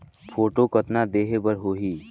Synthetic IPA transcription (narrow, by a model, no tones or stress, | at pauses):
pʰoːʈokɐt̪nad̪eːɦebəɾɦoːɦiː